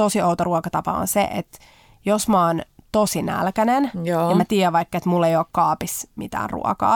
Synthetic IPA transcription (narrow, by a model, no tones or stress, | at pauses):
osiowt̪oruokɑt̪ɑpɑ̰o̰nsḛʔḛt̪ | josmoːnt̪osinæ̰lkænenmæt̪iːæʋʋɑikːɑet̪mulːeioːkkɑːpismḭt̪æ̰ːnrṵɑ̰kɑ̰ː